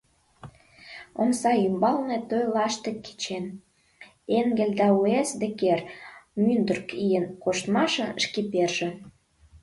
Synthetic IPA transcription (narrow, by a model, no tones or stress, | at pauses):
omsɑymbɑlnet̪øjlɑʃt̪ĕkːe̥t͡ɕen | eŋɡĕlʲd̪ɑuesd̪ĕkermynd̪ərkijənkoʃt̪mɑʃə̆nʃkiperʒĕ